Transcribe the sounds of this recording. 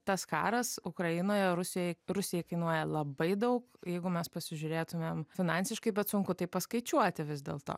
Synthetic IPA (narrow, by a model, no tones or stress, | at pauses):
t̪ɐskɑ̰ːɾɐsʊkɾɐjɪnoːjɛɾʊsʲɪjojɪɾʊsʲɪjɛɪkɐɪnuɔjɛlˠɐbɐɪd̪ɐʊkjɛɪɡʊmʲɛspɐsʲɪʒʲʊɾʲeːt̪ʊmʲeːmfʲɪnɑnʲsʲɪʃkɐɪbʲɛt̪sʊŋkʊt̪ɐɪpɐskɐɪt͡ʃʲuɔt̪ʲɪʋʲɪzd̪ʲḛːlˠt̪o̰ː